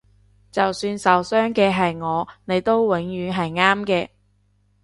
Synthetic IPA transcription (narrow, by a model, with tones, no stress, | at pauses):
t͡sɐ˨wsyː˧nsɐ˨wsœː˥ŋkɛː˧ɦɐ˨jŋɔː˨˧ne˨˧jt̪o˥wwɪ˨˥ŋjyː˨˧ɦɐ˨jŋaː˥mkɛː˧